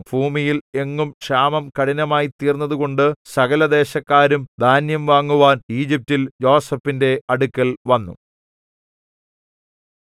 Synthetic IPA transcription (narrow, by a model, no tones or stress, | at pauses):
b̥ʱuːmijile̞ŋːumkʂaːmɐmkɐɽinɐmaːjit̪iːrnːɐðuɣo̞ɳɖɨsɐɣɐlɐd̪e̞ːɕɐkːaːɾumd̪ʱaːnjɐmʋaːŋːuʋaːniːd͡ʑip̚tːiljo̞ːsɐfinde̞ɐɽukʲːɐɭʋɐnːṵ